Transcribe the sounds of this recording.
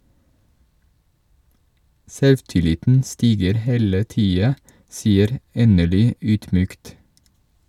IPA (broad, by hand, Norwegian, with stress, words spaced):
ˈsɛlʋtɪˌlɪtn̩ ˈstiːɡəɾ ˈheːlə ˈtiːɑ ˈsiːəɾ ˈeːnəɭʏ ˈyːdˌmyːkt